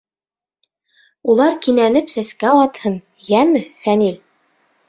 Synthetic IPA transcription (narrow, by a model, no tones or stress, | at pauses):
ulˠɑɾkinænɘpsæskæɑt̪hɤn | jæmɘfænil